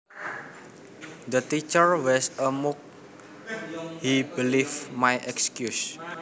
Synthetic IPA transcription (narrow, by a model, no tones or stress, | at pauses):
d̪ət̪it͡ʃərwɛsəmuk̚ | hibilifmajʔɛkskjus